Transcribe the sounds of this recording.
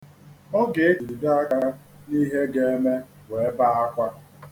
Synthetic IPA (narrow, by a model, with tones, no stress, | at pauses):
ɔ˦ɡe˨e˦t͡ʃi˨di˨da˦a˦ka˦ | ni˦ɦe˦ɡe˦e˦me˦ | we˨e˦ba˦a˦kʷa˦